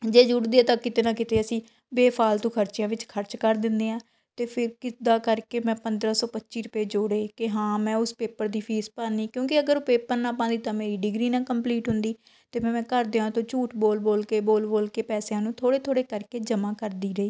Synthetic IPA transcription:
d͡ʒeːd͡ʒʊɽd̪iːɛːt̪ãːkɪt̪eːnãːkɪt̪eːəsĩː | beːpʰaːlt̪õːkʰəɾt͡ʃɪjãːʋɪt͡ʃkʰəɾt͡ʃkəɾd̪ɪnd̪eːãː | t̪eːpʰɪɾkɪd̪aːkəɾkeːmɛ̃ːpənd̪ɾaːsɔːpətːt͡ʃiːɾʊpeːd͡ʒoːɽeːkɪɦãːmɛ̃ːʊspeːpəɾd̪iːpʰiːspãːniːkjõːkɪəɡəɾpeːpəɾnãːpãːd̪iːt̪ãːmeːɾiːɖɪɡɾiːnãːkəmpliːʈɦʊ̃nd̪iː | t̪eːmɛ̃ːmɛ̃ːkəɾd̪eːãːt̪õːt͡ʃuːʈboːlboːlkeːboːlboːlkeːpɛːsejãːnũːt̪ʰoːɽeːt̪ʰoːɽeːkəɾkeːd͡ʒəmãːkəɾd̪iːɾəiː

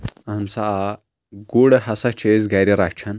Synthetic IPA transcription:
ɐmsaa | ɡuɽɦɐsɐt͡ʃʰezɡɐɾiɾat͡ʃʰɐn

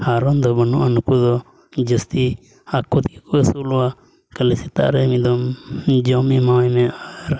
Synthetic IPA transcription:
haɾɔnd̪ɔbənṵʔanukud̪ɔ | d͡ʒəst̪i | akut̪ikuəsulɔa | kəlɛsit̪a̰ʔɾɛmid̪ɔmd͡ʒɔmimawajmɛaɾ

